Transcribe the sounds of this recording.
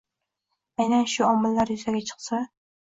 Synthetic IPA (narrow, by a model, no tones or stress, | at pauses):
ajnanʃʊɒmɪlːaɾjʊzaɡʲat͡ʃʰɨ̥qsa